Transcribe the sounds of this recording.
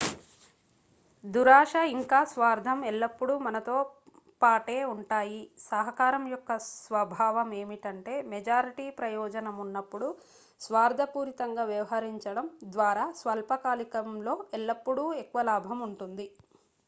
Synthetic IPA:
d̪uɾaːʂɐiŋkaːsʋaːɾd̪ʱɐmɛɭːɐpːuɽumɐnɐt̪oː | paːʈe̞ːuɳʈaːjisɐɦɐkaːɾɐmjɔkːɐsʋɐbʱaːʋɐme̞ːmiʈɐɳʈe̞ːmɛd͡ʒaːɾiʈiːpɾɐjɔːd͡ʒɐnɐmunːɐpːuɽu | sʋaːɾd̪ʱɐpuːɾit̪ɐŋɡaːʋjɐʋɐɦɐɾiɲt͡ʃɐɽɐmd̪ʋaːɾaːsʋɐlpɐkaːlikɐmlo̞ːɛɭːɐpːuɽuekːuʋɐlaːbʱɐmuɳʈund̪i

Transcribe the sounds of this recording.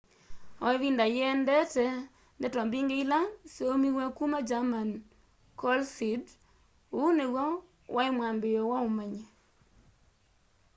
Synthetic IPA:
ɔiβindajɛndɛtɛ | ndɛtɔmbiŋɡeilaseomiwɛkumad͡ʒaman | kɔlsid | unewɔ | wʔaɪmwambɪjɔwaumaɲe

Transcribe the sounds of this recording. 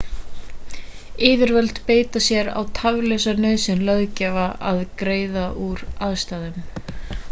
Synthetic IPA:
ɪːvɪɾvɛlt̪peːjt̪asjɛɾa̰wt̪ʰavlɛsanœɥðsɪnlœðcɛːvaʔaðkɾeːjðaʔuɾaðst̪aːðʏm

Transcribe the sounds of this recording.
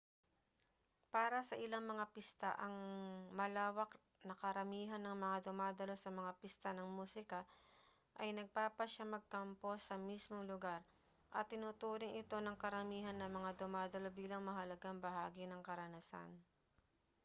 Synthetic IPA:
paːɾɐsɐʔɪlaŋmɐŋapɪst̪aʔɐŋmɐlaːwɐk | nɐkɐɾɐmiːɦɐnːɐŋmɐŋad̪ʊmaːd̪ɐlo̞sɐmɐŋapɪst̪anɐŋmuːsɪkɐ | ʔɐjnɐɡ̚paːpɐʃamɐɡ̚kɐmpo̞sɐmismoŋlʊɡaɾ | ʔɐt̪ːɪnut̪uːɾɪŋʔɪt̪o̞nɐŋkɐɾɐmiːɦɐnːɐmɐŋad̪ʊmaːd̪ɐlo̞biːlɐŋmɐɦɐlɐɡaŋbɐɦaːɡɪnɐŋkɐɾɐnɐsa̰n

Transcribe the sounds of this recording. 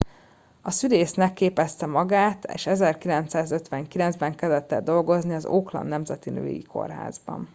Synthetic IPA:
ɒsyleːsnɛkːeːpɛst̪ɛmɒɡaːt̪ḛːʃɛzɛrkilɛnt̪saːzøt̪ʋɛŋkilɛnzbɛŋkɛzɛt̪ːɛd̪o̞lɡo̞zniɒzoːklɒ̰nːɛmzɛt̪inø̰ːjḭko̞̰rɦa̰ːzbɒ̰n

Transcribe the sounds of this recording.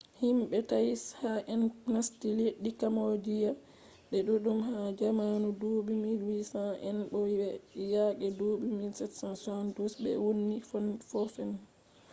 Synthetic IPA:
himɓɛtajshaʔɛnnastiliɗikamod͡ʒija | ɗɛɗuɗumhad͡ʒamanudoɓimilwisãʔɛ̰nɓɔɛjakɛduɓimilsɛtsãnsandusbɛ̰wonːifnfɔfɛn

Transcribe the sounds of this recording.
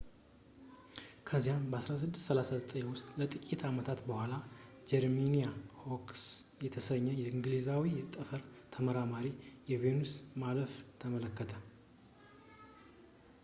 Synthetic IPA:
kʰəzːijanbəasɾas̬ɨd̪ːɨst̪səlasazət̪ʼəɲwʊst̪ʼlət̪ʼɨkʼit̪ʰamət̪ʰat̪bəhʷala | d͡ʒɛɾmenijahoksjɛt̪ʰəsəɲːɛjɛɨŋɡlizawit̪ʼəfəɾt̪ʰəməɾamaɾijɛvenusmaləft̪ʰəmələkːət̪ʰə

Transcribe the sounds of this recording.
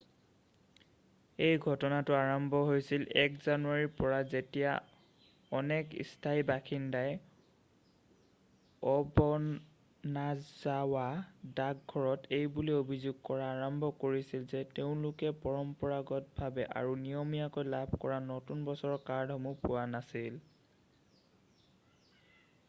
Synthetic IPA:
ejɡʱɔtɔnatʊaɹɔmbʱɔɦojsilɛ̰kzanuaɹiɹpɔɹazetija̰ | ɔnɛkḭstʰaibakʰindaj | ɔbɔ | nazawadaɡ̚ɡʱɔɹɔtʰejbuliobʱizuɡ̚kɔɹaːɹɔmbʱɔkoɹisilzɛteʊ̃lʊkɛpɔɹɔmpɔɹaɡɔt̚bʱabɛʔa̰ɹunijɔmijakojlabʱkɔɹanotunbɔsɔɹɔkaɹdʱɔmupʊwanasil

